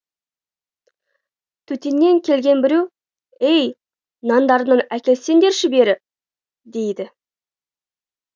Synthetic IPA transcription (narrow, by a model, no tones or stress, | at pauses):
t̪ʰɵt̪enːe̞ŋkʲʰe̞lɡʲe̞nbɪɾe̞w | ej | nɑnd̪ɑɾənɑnækʲe̞lse̞nd̪e̞ɾʃɪbe̞ɾɪ | d̪e̞jd̪ɪ